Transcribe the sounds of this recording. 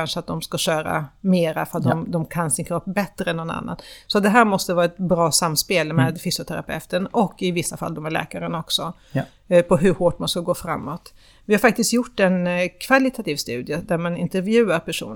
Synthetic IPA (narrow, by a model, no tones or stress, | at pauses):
anʂəat̪̚d̪ɔmskaɕœːɾa̰meːɾa̰fœɾat̪̚d̪ɔmd̪ɔmkʰansɪnkʰɾɔpːbɛt̪ɾəɛnːɔna̰nːa̰nsɔat̪d̪ɛɦæːɾmɔst̪əvɑːɾaɛt̪bɾɑːsamːspeːlmeːd̪fʏsjʊt̪ʰæɾapʰɛ̰ft̪əɳɔkːɪvɪsːafa̰ld̪ɔmhæɭɛ̰ːkaɾənaɔksɔ | pʰɔɦɵɾhoːʈmanskaɡoːfɾa̰mːot̪ | vɪhaɾfak̚t̪ɪst̪jʊʈːɛnkʰv̥alɪt̪ʰat̪iːvst̪ʉ̟ːd̪jəd̪æɾmanɪ̰nt̪ɛɾvjʉ̟ːaɾpʰæʂṵːn